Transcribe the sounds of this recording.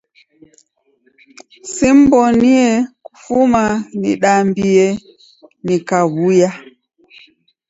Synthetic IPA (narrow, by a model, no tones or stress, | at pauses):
sim̩bɔniɛku̥fumanḭɗambiɛ | nikaβuja